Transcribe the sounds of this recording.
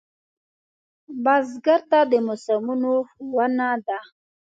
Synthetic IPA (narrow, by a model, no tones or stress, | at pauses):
bazɡaɾt̪ad̪əmʊsamunoxwanad̪a